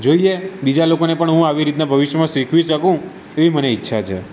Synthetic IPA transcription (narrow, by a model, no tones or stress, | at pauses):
d͡ʒoiebid͡ʒalokonepəɳɦũaʋiɾit̪nabʱəʋiʃjəmãʃikʰʋiʃəkũ | eʋiməneitːʃʰat͡ʃʰḛ